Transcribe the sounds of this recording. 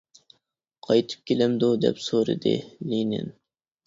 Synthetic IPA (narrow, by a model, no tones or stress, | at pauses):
qʰɑjt̪ʰɨ̥p̚kʲʰelɛmd̪ud̪ɛ̰psoɾɨ̰d̪ɨ̰linɪ̰n